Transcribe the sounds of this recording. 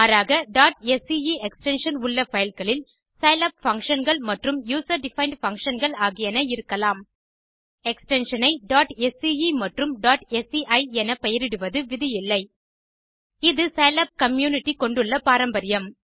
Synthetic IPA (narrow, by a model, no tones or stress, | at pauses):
aːɾaːɣɐɖaːʈɛsiiɛksʈɛnʂɐnʊɭːɐfɐjɪlkɐɭɪl | sɐjlɐp̚fɐŋkʂɐnɡɐɭmɐʈrɯmjuːsɐɾɖɪfɐɪɳɖfɐŋkʂɐnɡɐɭaːɣɪjɐnɐɪɾɯkːɐlaːm | ɛksʈɛnʂɐnɐɪɖaːʈɛsiimɐʈrɯmɖaːʈɛsiʔɐɪɛnɐpɛjɐɾɪɽɯʋɐðɯʋɪðɪjɪlːɐɪ | ɪðɯsɐjɐlɐp̚kɐmjuːnɪʈːikɔɳɖɯɭːɐpaːɾɐmbɐɾɪjɐm